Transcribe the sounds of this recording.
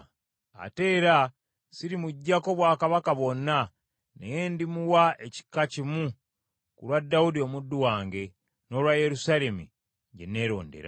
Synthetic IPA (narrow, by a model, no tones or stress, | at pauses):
a̰te̞ːɾa | siɾimuɟːako̞βwaːkaβakaβo̞nːa | ne̞je̞ndimuwaeci̥kːacimu | kulwadːawudio̞mudːuwaːŋɡe̞ | no̞lwaje̞ɾusale̞mṵ | ɟe̞̰ne̞ːɾo̞̰ːnde̞̰ɾa̰